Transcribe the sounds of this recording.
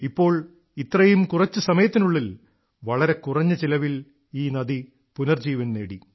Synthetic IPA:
ipːo̞ːɭ | it̪ːrɐjumkurɐt͡ɕːɨsɐmɐjɐt̪ːinuɭːil | ʋɐɭɐɾe̞kurɐɲːɐt͡ɕilɐʋil | iːnɐði | punɐrd͡ʑiːʋɐnneːɽi

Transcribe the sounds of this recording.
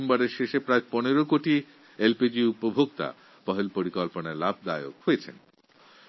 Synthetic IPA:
mbaɾeɾʃeʃepɾaeponeɾokoʈi | elpid͡ʑiupobʱokt̪a̰ | pɔɦelpoɾikɔlponaɾlab̚ʱd̪aeo̰khojet͡ɕʰḛn

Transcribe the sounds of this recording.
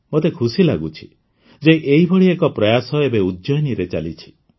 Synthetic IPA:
mot̪ekʰusilaɡut͡ʃʰi̥ | d͡ʒeʔeibʱɔɽiekɔpɾɔjasɔebeud̪d͡ʒɔjniɾet͡ʃa̰lit͡ʃʰi̥

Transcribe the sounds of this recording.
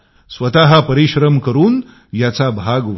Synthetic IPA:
sʋət̪aɦapəɾiɕɾəmkəɾuːn | jat͡sabʱaɡʋ

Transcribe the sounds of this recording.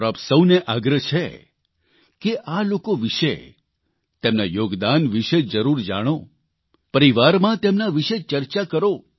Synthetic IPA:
ɾəpsəwneʔaɡɾət͡ʃʰḛ | keʔalokoʋɪʃḛ | t̪emnajoɡd̪anʋiʃed͡ʒəɾuɾd͡ʒa̰ɽ̃o | pəɾiʋaɾmãt̪emnaʋiʃet͡ʃəɾt͡ʃakəɾo

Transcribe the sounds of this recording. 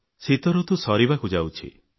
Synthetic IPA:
sit̪ɔɾɔt̪usɔɾibakud͡ʒawt͡ʃʰḭ

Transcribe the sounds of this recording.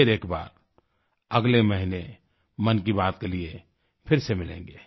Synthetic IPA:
eɾeːkba̰ːɾ | ɐɡleməɦine | mənk̬ibaːt̪̚kelie | pʰɪɾsemɪlḛ̃ːŋɡeː

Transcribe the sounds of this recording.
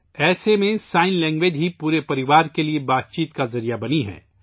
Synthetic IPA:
ɛːsemẽsaːɪnlɛ̃ːŋɡʋed͡ʒɦipuːɾepɐɾɪʋaːɾkeliebaːt̪̚t͡ʃiːt̪kazɐɾijabɐniɦɛ̰̃ː

